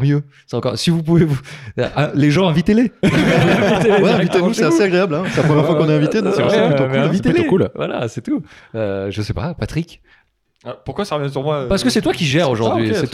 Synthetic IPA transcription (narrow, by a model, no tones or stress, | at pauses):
mjø | sɛɑ̃kɔʁsivup̬uvevuʔɛ̃leʒɑ̃ɛ̃vit̪ele | wɛaɛ̃vit̪enusɛaseaɡʁeablɛ̃sɛlapʰχɔmjɛʁfwakɔ̃naɛ̃vit̪ed̪ɔ̃sɛpɔsɔ̃pyt̪ɔ̃kyɛ̃vit̪elkulvwa̰la̰sɛt̪uøʒəsɛpa̰pat̪χik | apuʁkwasaʁəvjɛ̃s̬yʁmwapaʁsə̥kəsɛt̪wakʲiʒɛʁoʒuʁɥisɛ